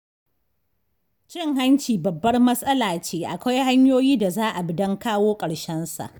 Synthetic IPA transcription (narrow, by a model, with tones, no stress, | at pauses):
t͡ʃɪ˦ŋɦa˦nt͡ʃiː˨bɐ˨bːɐ˦rmɐ˦sʼɐ˦laː˨t͡ʃeː˦ʔa˨kʷa˦jɦa˦ɲjoː˦jiː˦da˨zaː˦ʔa˨bɪ˨dɐ˦ŋkaː˦woː˦kʼɐ˨ɽʃɛ˦nsa̰˨ʔ